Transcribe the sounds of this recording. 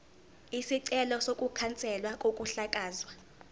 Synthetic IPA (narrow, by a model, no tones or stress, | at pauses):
isiǀɛlɔsokʼukʰant͡sʼɛlwakʼokʼuɬakʼaːzwa